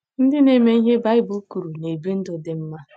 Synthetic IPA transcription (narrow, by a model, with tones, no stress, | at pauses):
n̩˦dɪ˦ne˦me˦i˦ɦe˦ba˦ɪ˦bu˦ku˨ɾu˨ne˨be˦n̩˦do˨de˨m̩˦ma˦